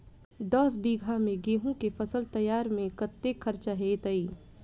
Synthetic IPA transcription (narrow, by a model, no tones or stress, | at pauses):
d̪ɔːsbiːɡʱamẽɡeːɦũkefʰəsəlt̪ɐjaːɾmẽkɐt̪ːekʰɐɾt͡ʃaɦeːt̪əiː